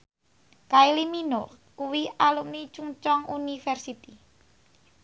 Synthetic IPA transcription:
kailiminor | kuwialumnit͡ʃuŋt͡ʃɔŋunifɛrsit̪i

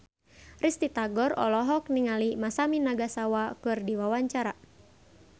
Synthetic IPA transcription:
rist̪it̪aɡɔrɔ̰lɔɦɔk̚niŋalimasaminaɡasawakɨrdiwawaɲt͡ʃaɾa

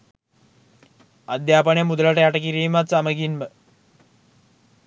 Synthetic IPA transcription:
ad̪jaːpəɳjəmud̪əlaʈəjaʈəkiɾiːmat̪saməɡinmə

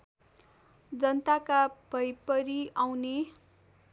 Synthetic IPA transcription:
d͡zʌnt̪akab̥ʱʌjpʌɾiawne

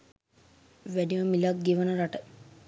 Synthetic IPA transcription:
ʋæɖiʋəmilak̚ɡeʋənəɾaʈə

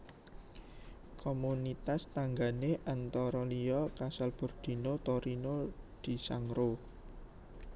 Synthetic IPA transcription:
kʰomunit̪ast̪aŋɡaneʔant̪ɔɾɔlijɔkasalb̥ṳrd̪̥i̤not̪oɾinod̪̥i̤saŋɾo

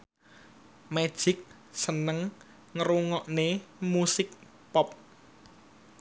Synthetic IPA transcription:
me̥ʒ̥ɪk̚ | sənəŋ | ŋəɾuŋɔʔnemusɪk̚ | pɔp̚

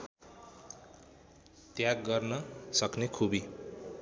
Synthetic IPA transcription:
t̪jaɡːʌrnʌsʌknekʰubi

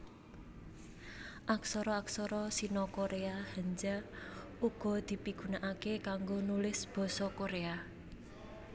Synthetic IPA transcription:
ʔaksɔɾɔaksɔɾɔsinɔkoɾeahəɲd͡ʒa | uɡ̥ɔ̤d̪̥i̤piɡ̥ṳnaʔakekaŋɡonulɪsb̥ɔ̤sɔkoɾea

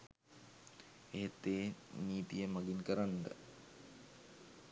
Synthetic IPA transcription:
eɦet̪ːeːniːt̪ijəmaɡinkəɾand̪ə̰

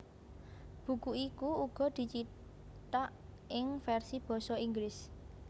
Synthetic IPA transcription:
b̥ṳkuikuuɡ̥ɔ̤d̪̥i̤t͡ʃi | t̪aʔʔɪŋfɛrsib̥ɔ̤sɔiŋɡlɪs

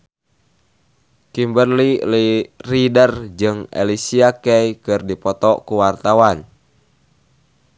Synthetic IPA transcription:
kimbərliliridərd͡ʒɨŋḛlisiakɛikɨrdipɔt̪ɔkuwart̪awan

